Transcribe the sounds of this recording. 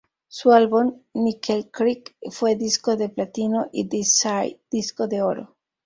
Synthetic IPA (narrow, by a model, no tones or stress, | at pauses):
sualβunːikʰelkɾikfweðiskoðeplat̪inoʔidisajd̪̥iskoðeoɾo̰